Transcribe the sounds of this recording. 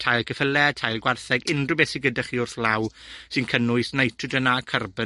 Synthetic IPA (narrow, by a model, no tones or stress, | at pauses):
tʰajlˠkʰəfəlɛtʰajlˠɡwarθɛɡɪndrɨbɛsɪɡədaχiʊrθlawsɨnkʰənʊɨsnejtʰɨdənakʰərbə